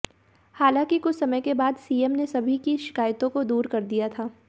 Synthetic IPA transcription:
haːlãːkikʊt͡ʃʰsɐməjkebaːd̪siːɛmnesɐbʱikiʃɪ̥kaːjt̪õkod̪uːɾkɐɾd̪ijat̪ʰaː

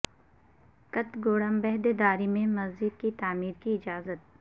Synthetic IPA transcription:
kɐt̪ɡoːɽəmbɛɦd̪ed̪aːɾimẽmɐzd͡ʒɪd̪̚kit̪aːmiːɾkiɪd͡ʒaːzət̪̚

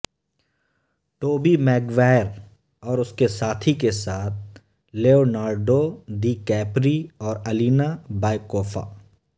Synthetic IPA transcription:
ʈoːbimɛːɡʋaːɾ | ɔːɾʊskesaːt̪ʰikesaːt̪̚ʰ | leːoːnaːɾɖod̪iːkɛːpɾiɔːɾɐliːnabaːɪkoːfʰa̰ː

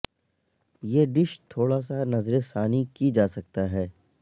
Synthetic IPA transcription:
jeːɖɪʃt̪ʰoːɽas̬anɐzɾesaːnikid͡ʒaːsɐk̚t̪aɦɛː

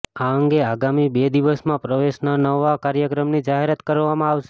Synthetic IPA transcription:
aəŋɡeaɡamibed̪iʋəsmãpɾəʋeʃnanəʋakaɾjəkɾəmnid͡ʒaɦeɾat̪kəɾʋamãaʋʃe̥

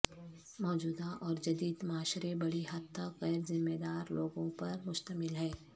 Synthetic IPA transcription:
mɔːd͡ʒuːd̪aʔɔːɾd͡ʒɐd̪iːd̪maːʃɾebɐɽiɦɐt̪ʰːaɣɛːɾzɪmːeːd̪aːɾloːɡõpɐɾmʊʃt̪əmɪlɦɛː

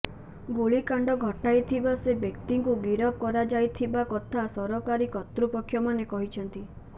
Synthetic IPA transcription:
ɡoɭikaɳɖɔɡʱɔʈajt̪ʰibasebjekt̪iŋkuɡiɾɔp̚kɔɾad͡ʒajt̪ʰibakɔt̪ʰasɔɾɔkaɾikɔt̪ɾupɔkʰːjɔmanekɔɦit͡ʃʰɔnt̪i

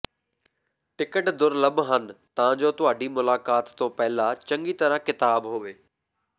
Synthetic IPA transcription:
ʈɪkəʈd̪ʊɾləbɦənt̪ɐʋãːd͡ʑoːt̪ʊaːɖimʊlaːkaːt̪t̪ːõpɛɦɪlat͡ɕə̃ŋɡiːt̪əɾãkɪt̪aːbɦoːʋeː

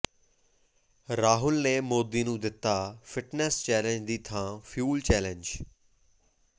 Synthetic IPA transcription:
ɾaːɦʊlneːmoːd̪iːnũːd̪ɪt̪ːaːfʰɪʈnɛst͡ʃɛːləɲd͡ʒd̪iːt̪ʰãːpʰjuːlt͡ʃɛːləɲd͡ʒ

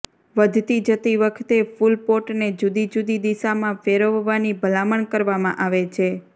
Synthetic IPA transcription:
ʋəd̪ʱt̪id͡ʒət̪iʋəkʰt̪efulpoʈned͡ʒud̪id͡ʒud̪id̪isamãfeɾoʋːanibʱəlaməɳkəɾʋamã̰ʔaʋet͡ʃʰe

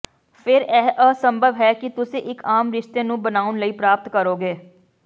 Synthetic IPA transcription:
pʰɪɾɛːɦʔəsəmbəʋɦɛːkɪt̪ʊsẽːʔɪkaːmɾɪʃt̪eːnũːbənaːʊnləiːpɾaːp̚t̪kəɾoːɡeː

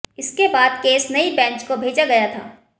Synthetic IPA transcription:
ɪskebaːd̪keːsnɐibɛ̃ːt͡ʃkobʱeːd͡ʒaɡɐjat̪ʰa̰ː

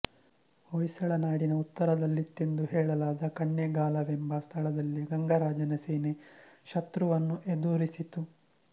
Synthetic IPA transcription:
ojsɐɭɐnaːɽinɐut̪ːɐɾɐd̪ɐlːit̪ːend̪uɦɛːɭɐlaːd̪ɐkɐɳːeɡaːlɐʋembɐst̪ʰɐɭɐd̪ɐlːiɡɐŋɡɐɾaːd͡ʒɐnɐseːneʃɐt̪ɾuʋɐnːuʔed̪uːɾisit̪u

